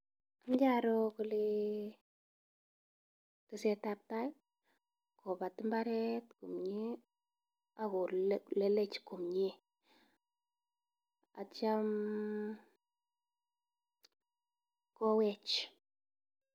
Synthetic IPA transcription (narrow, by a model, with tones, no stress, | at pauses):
amd͡ʒa˦ɾɔ˦kɔ˨le˦ | kɨ˨sɛ˨tap̚ta˦j | kʰɔ˨pa˨tɨ˦mba˦ɾɛ˦tku˨mɲe˦ | a˨ko˨lɛ˦lɛ˦t͡ʃko˨mɲe˦ | a̰˨t͡ʃa˦m | kɔ˦wɛ˦t͡ʃ